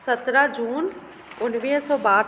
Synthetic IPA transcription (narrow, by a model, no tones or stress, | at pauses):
sət̪ɾad͡ʑuːn | ʊnʋiːɦsɔːbaːɾ